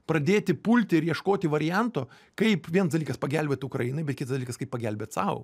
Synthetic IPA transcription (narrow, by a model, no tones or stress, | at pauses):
pɾɐd̪ʲeːt̪ʲɪpulʲt̪ʲɪɪɾjiɛʃkoːt̪ʲɪʋɐɾʲɪjɛnt̪oː | kɐɪpʋʲiɛnsd̪ɐlʲiːkɐspɐɡʲælʲbʲeːt̪ʊkɾɐjinɐɪbʲɛt̪̚kʲɪt̪ɐsd̪ɐlʲiːkɐskɐɪpːɐɡʲælʲbʲeːt̪sɐʊ